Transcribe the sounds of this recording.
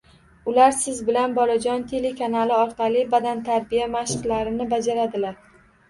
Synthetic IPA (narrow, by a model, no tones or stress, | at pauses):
ʊlaɾsɪzbɪlanbɒlˠad͡ʒɒnt̪ʰe̞le̞kʰanalɪɒɾqɑlˠɪbad̪ant̪ʰaɾbijamaʃɨqlaɾɪnɪbad͡ʒaɾad̪ɪlaɾ